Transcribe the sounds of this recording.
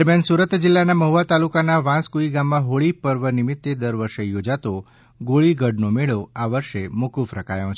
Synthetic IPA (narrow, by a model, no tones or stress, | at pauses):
ɾmjansuɾət̪d͡ʒɪlːanaməɦuat̪alukanaʋãskuiɡamːãɦoɭipəɾʋənɪmɪt̪ːed̪əɾʋəɾʃejod͡ʒat̪o | ɡoɭiɡʱəɖnomeɭoaʋəɾʃemukufɾəka̰jõt͡ʃʰ